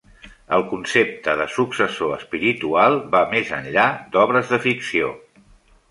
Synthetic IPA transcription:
əlˠkunsep̚t̪əðəsuksəsoəspiɾit̪ualˠbamezə̰nʎad̪ɔβɾəzðəfiksio

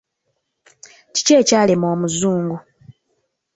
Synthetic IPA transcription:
ci̥ceːcaːlemoːmuzuːŋɡu

